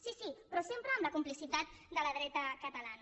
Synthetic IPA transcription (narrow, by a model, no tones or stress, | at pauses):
sisipɾɔsempɾəːmləkumplisit̪at̪̚d̪ələðɾɛt̪əkət̪əlan